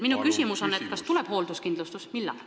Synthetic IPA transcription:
minukysʲimuso̞nːet̪kɑst̪ule̞b̥ho̞ːld̪uskind̪lust̪usmilːɑ̰l

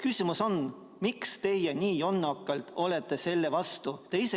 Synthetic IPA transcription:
kysʲimuso̞n | mikst̪e̞jeniːjo̞nːɑkːˑɑlt̪o̞le̞t̪ˑːe̞se̞lːe̞vɑst̪ut̪e̞ise

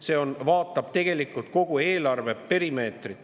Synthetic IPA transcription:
se̞o̞nvɑːt̪ːˑɑb̥t̪e̞ɡ̥e̞likˑult̪̚ko̞ɡ̥ue̞ːlɑrve̞pe̞ɾime̞ːt̪rit̪ː

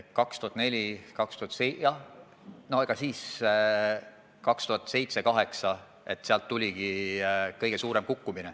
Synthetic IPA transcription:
kɑkst̪uhɑt̪ne̞lʲikɑkst̪uhɑt̪ːsejɑh | no̞eɡ̥ɑsiːs | kɑkst̪uhɑt̪ːˑse̞jt̪se̞kɑɦe̞ksɑ | e̞t̪ːseɑlt̪ːulʲiɡ̥ikɤjɡ̥e̞suːɾe̞mkukːumine

